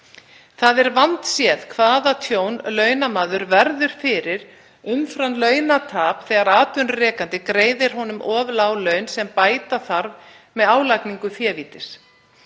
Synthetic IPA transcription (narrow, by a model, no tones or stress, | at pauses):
θaðɛɾvant̪sjɛːðkʰvaːðat̪ʰjoːwnlœːɥnamaːðʏɾvɛɾðʏɾ̥fɪɾɪɾ | ʏmfɾanlœːɥnat̪ʰaːpθɛːɣaɾaːt̪ʏnrɛːkant̪ɪkɾeːjðɪɾ̥hɔnʏmʔɔːvlawlœɥnsɛmpaːjt̪aθaɾv | mɛðaːwlakniŋkʏθjɛːviːt̪ɪs